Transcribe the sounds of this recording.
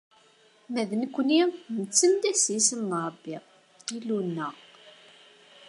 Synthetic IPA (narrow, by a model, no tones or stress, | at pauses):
mæðnəkʷːninət͡sːəmd̪æsisəmːɾˤəbːi | ilunːə